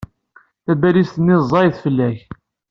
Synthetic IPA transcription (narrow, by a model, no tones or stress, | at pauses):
θæbælist̪ənːɪzˤːɑjθfəlːæç